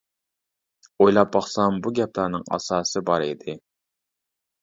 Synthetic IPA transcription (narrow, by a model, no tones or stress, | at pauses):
ojlˠɑp̚ːɑχsɑmbuɡʲɛp̚lɑɾnɨŋɑ̰sɑːsɨbɑɾɪd̪ɪ